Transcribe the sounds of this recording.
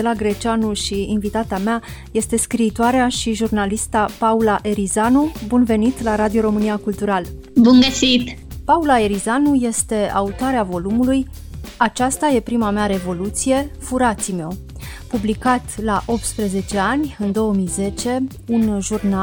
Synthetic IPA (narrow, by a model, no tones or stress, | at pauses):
elaɡɾet͡ʃanulʃiːnvit̪at̪amea | je̞st̪e̞skɾiːt̪oaɾeaʃiʒurnalist̪apaulaʔeɾizanubunve̞nit̪laɾad̪io̞ɾo̞mɨniakult̪uɾal | bunɡəsit̪paulae̞ɾizanuje̞st̪e̞a̰ut̪oaɾeavo̞lumuluj | at͡ʃast̪aje̞pɾimameaɾe̞vo̞lut̪sije̞fuɾat̪simeo̞ | publikat̪laʔo̞p̚t̪spɾe̞ze̞t͡ʃe̞anʲɨnd̪o̞wəmijze̞t͡ʃe̞ | unʒurna